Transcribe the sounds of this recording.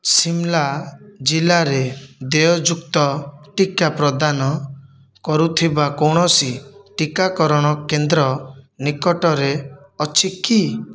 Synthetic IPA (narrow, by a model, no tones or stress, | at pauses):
simlad͡ʒilaɾed̪ejɔd͡ʒukt̪ɔʈikapɾɔd̪anɔ | kɔɾut̪ʰibakoɽ̃ɔsiʈikakɔɾɔɽ̃ɔkend̪ɾɔnikɔʈɔɾe | ɔt͡ʃʰiki